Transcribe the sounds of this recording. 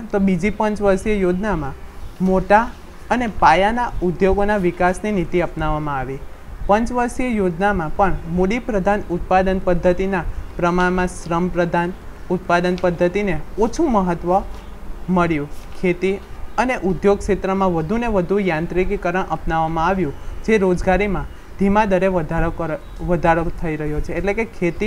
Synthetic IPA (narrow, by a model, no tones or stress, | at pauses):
t̪obid͡ʒipəɲt͡ʃʋəɾsiəjod͡ʒnamãmoʈa | ənepajanaud̪joɡonaʋikasninit̪iəpnaʋːamãaʋipə̃ɲt͡ʃʋəɾsiəjod͡ʒnamãpəɳmoɖipɾəd̪ʱanut̪̚pad̪ənpəd̪ʱːət̪inapɾəmaɳmãʃɾəmpɾəd̪ʱanut̪pad̪ənpəd̪ʱːət̪ineot͡ʃʰũməɦət̪ʋə | məɭjũkʰet̪iəneʔud̪joɡ̚kʃet̪ɾəmãʋəd̪ʱuneʋəd̪ʱũjãnt̪ɾikkəɾəɳʔəpnaʋamãaʋjũd͡ʒeɾod͡ʒɡaɾimã | d̪ʱimad̪əɾeʋəd̪ʱaɾkə | ʋəd̪ʱaɾot̪ʰəiɾəɦjot͡ʃʰeːʈlekekʰet̪i